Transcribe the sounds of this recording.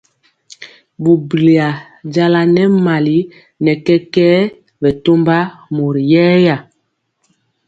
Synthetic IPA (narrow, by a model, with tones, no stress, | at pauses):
bu˨bli˨a˨ | ɟa˦la˨nɛ˦ma˨li˦ | nɛ˨kɛ˦kɛː˦ | bɛ˨to˦mba˦mo˨ɾi˨jɛː˦ja˦˨